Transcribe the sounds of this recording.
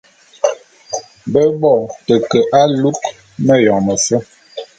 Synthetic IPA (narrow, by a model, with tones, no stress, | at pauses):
bə˦bɔ˦˨tə˨kə˨ʔa˦lu˦k | mə˦jɔ˨ŋmə˨sə˦